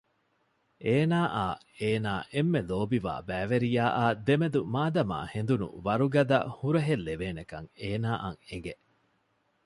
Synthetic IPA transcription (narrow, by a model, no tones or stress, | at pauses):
eːnaːʔaː | eːnaːʔemːeloːbiʋa̰ːbæːʋeɾijaːʔaːd̪emed̪umaːd̪ɐma̰ːhend̪unṵʋɐɾuɡɐd̪ɐ̰huɾɐɦelːeʋeːnekɐ̰ŋeːnaːʔɐ̰ŋeŋɡe